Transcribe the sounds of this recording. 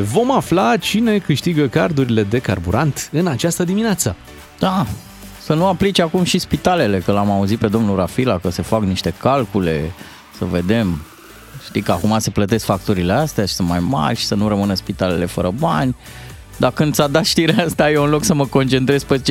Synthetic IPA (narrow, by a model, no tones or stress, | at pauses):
vo̞maflat͡ʃine̞kɨʃt̪iɡəkard̪uɾile̞d̪e̞karbṵɾʔant̪ɨnat͡ʃast̪əd̪imineat̪sə | d̪̥a | sənuaplit͡ʃakumʃispit̪ale̞le̞kəlamauzit̪̚pe̞d̪o̞mnuɾafilakəse̞fakniʃt̪e̞kalkule̞̰ | səve̞d̪e̞m | ʃt̪ikəakumase̞plət̪e̞skfak̚t̪uɾileast̪eaʃi̥sɨnmajma̰rʲʃi̥sənurəmɨnəspit̪ale̞le̞fəɾəbanʲ | d̪akɨnd̪sad̪at̪ʃt̪iɾeeast̪ajeunlo̞ksəməko̞nt͡ʃe̞nt̪ɾez̥pet͡ʃ